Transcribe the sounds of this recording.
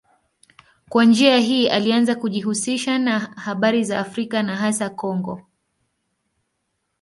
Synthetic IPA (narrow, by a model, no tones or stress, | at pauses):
kwand͡ʒiaɦiːʔalianzakuʄihusiʃanahaɓaɾizaːfɾikanaɦasakɔŋɡɔ